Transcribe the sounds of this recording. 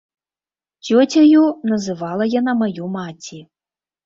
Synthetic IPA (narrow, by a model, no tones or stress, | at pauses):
t͡sʲɔt͡sʲajunɐzɨvalˠɐjanamajumat͡sʲi